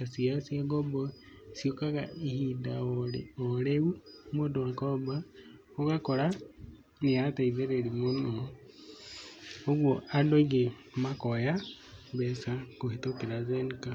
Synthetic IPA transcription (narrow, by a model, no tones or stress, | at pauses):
asiasiaɡobɔ | siokaɣa̰ihidaoɾoɾeumodokɔba | oɣakoɾa | nijataiðeɾeɾimono | oɡwoadoɡe | makoja | besakoɦitokiɾazenka